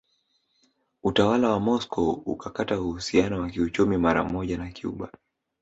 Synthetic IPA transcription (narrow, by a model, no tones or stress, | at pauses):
utawalawamɔskɔṵkakatauhusianɔwakiut͡ʃumimaɾa̰mɔʄanakiṵɓa